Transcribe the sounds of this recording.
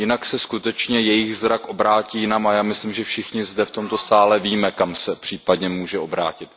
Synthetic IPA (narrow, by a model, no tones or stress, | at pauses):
jɪnaksɛskut̪ɛt͡ʃɲɛjɛjɪɣzɾakʔo̞bɾaːciːjɪnamajaːmɪslimʒɛfʃɪxɲɪzdɛft̪o̞mt̪o̞saːlɛviːmɛkamsɛpr̝̥iːpadɲɛmuːʒɛʔo̞bɾa̰ːcɪt̪